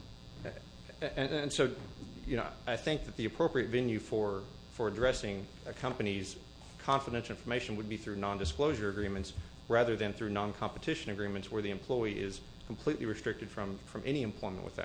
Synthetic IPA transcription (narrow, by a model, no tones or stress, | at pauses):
ɨ̃nɨ̃nsoʊjɨnoʊaɪθɪ̃ŋk̚ðɨt̪̚ðiɨpʰɹ̥oʊpɹiɨtvɛlˠjʉfə˞ | fə˞ɨdɹɛsɪ̃ŋ | kʰʌ̃mpɨniz̥ | kʰɑ̃ɱfəɾɛ̃nʃl̩ˠɪ̃nfə˞meɪʃɨ̃n̩wəd̚biθɹʉnɑ̃ndɨskloʊʒə˞ɨɡɹĩmɨ̃nts | ɹæðə˞ðɨ̃nθɹʉnɑ̃nkʰɑ̃mpətʰɪʃɨ̃nɨɡɹĩmɨ̃ntswə˞ðiɨ̃mpʰl̥ɔɪiʔɪz̥ | kʰm̩pʰl̥iʔˡliɹɨstɹ̥ɪk̚tɨd̥fɹʌ̃mfɹʌ̃mʔɛñiɨ̃mpʰl̥ɔ̃ɪ̃mə̰̃n̩ʔwɨ̰ðɨ̰t̚